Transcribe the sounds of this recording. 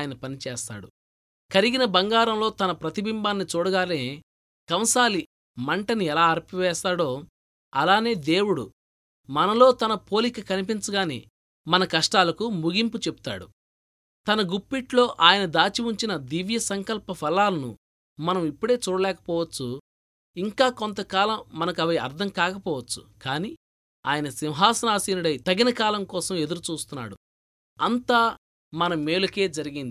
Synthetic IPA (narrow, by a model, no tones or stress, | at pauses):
jɐnɐpɐnit͡ʃɛːst̪a̰ːɽu | kɐɾiɡinɐbɐŋɡaːɾɐmlo̞ːt̪ɐnɐpɾɐt̪ibimbaːnːit͡ʃoːɽɐɡaːleː | kɐmsaːli | mɐɳʈɐniɛlaːɐɾpiʋɛːst̪aːɽo̞ː | ɐlaːne̞ːd̪eːwuɽṵ | mɐnɐlo̞ːt̪ɐnɐpo̞ːlikɐkɐnipint͡ʃɐɡaːnḛː | mɐnɐkɐʂʈaːlɐkumuɡimput͡ʃebu̥t̪a̰ːɽu | t̪ɐnɐɡupːiʈlo̞ːʔaːjɐnɐd̪aːt͡ʃiʋuɲt͡ʃinɐd̪iʋjɐsɐŋkɐlpɐpʰɐlaːlɐnṵ | mɐnɐmipːuɽe̞ːt͡ʃuːɽɐlɛːkɐ̥pɔːʋɐt͡ʃːu | iŋkaːkont̪ɐkaːlɐmːɐnɐkɐʋɐjɐ̰ɾd̪ʱɐmkaːkɐpɔːʋɐt͡ʃːu̥kaːniː | a̰ːjɐnɐsiwɦaːsɐnaːsiːnuɽɐjt̪ɐɡinɐkaːlɐmkɔːsɐme̞d̪uɾut͡ʃuːst̪unːa̰ːɽu | ɐnt̪aː | mɐnɐmːeːluke̞ːd͡ʒɐɾiɡind̪i